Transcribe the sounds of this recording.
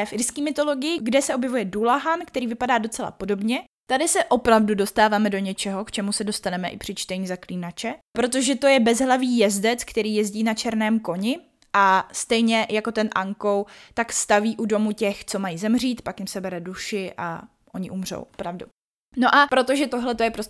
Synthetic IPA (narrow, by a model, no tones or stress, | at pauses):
fɪɾskiːmɪt̪o̞lo̞ɡɪjɪɡdɛsɛʔobjɛvujɛdulaɦankt̪ɛɾiːvɪpadaːdo̞t͡sɛla̰po̞do̞bɲɛ | t̪adɪsɛʔo̞pɾavdudo̞st̪aːvaːmɛdo̞ɲɛt͡ʃɛɦo̞kt͡ʃɛmusɛdo̞st̪anɛmɛʔɪ̰pr̥ɪt͡ʃt̪ɛɲizakliːnat͡ʃɛpɾo̞t̪o̞ʒɛt̪o̞jɛbɛzɦlaviːjɛzdɛt͡skt̪ɛɾiːjɛzɟiːnat͡ʃɛɾnɛːmko̞ɲɪ | ʔast̪ɛjɲɛjako̞t̪ɛnʔaŋko̞wt̪akst̪aviːʔudo̞mucɛxt͡so̞majizɛmr̝iːt̪pakjɪmsɛbɛɾɛduʃɪʔa̰ | ʔo̞ɲɪʔumr̝o̰wopɾavdṵ | no̞ʔapɾot̪o̞ʒɛt̪oɦlɛt̪o̞jɛpɾos